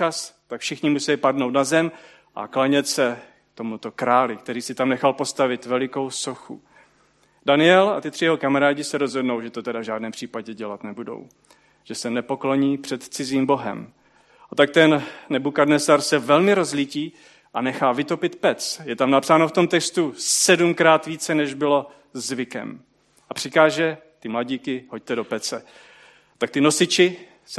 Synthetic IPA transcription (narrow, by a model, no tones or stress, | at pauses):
ast̪akfʃɪxɲɪmusɛlipadnowt̪nazɛm | ʔa̰klaɲɛt̪sɛ | k̚t̪o̞mut̪o̞kɾaːlɪkt̪ɛɾiːsɪt̪amnɛxalpo̞st̪avɪt̪vɛlɪko̞wso̞xṵ | danɪɛla̰t̪ɪt̪r̝ɪjɛɦo̞kamaɾaːɟɪsɛɾo̞zɦo̞dno̞wʒɛt̪o̞t̪ɛdavʒaːdnɛːmpr̥iːpaɟɛɟɛlat̪nɛbudo̞̰w | ʒ̥ɛsɛnɛpo̞klo̞ɲiːpr̥ɛt̪t͡sɪziːmbo̞ɦɛ̰m | at̪ak̚t̪ɛnnɛbukadnɛsaɾsɛvɛlmɪɾozliciː | ʔanɛxaːvɪt̪o̞pɪt̪pɛt͡sjɛt̪amnapsaːnoft̪o̞mt̪ɛkst̪usɛdumkɾaːt̪viːt͡sɛnɛʒbɪlo̞ | zzvɪkɛ̰m | ʔapr̝̥ɪkaːʒɛ | t̪ɪmlaɟiːkɪɦo̞c̚t̪ɛdo̞pɛt͡sɛ | t̪ak̚t̪ɪno̞sɪt͡ʃɪ | s